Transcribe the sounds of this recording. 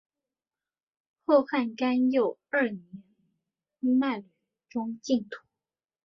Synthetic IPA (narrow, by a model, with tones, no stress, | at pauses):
xo˥˧ʊxa˥˩nka˥njo˨˩ʊə˞˥˩njɛ˧˥n | ma˥˩ly˨˧˩ | ʈ͡ʂʊ˥ŋt͡ɕi˥˩ŋt̪ʰu̥˨˧˥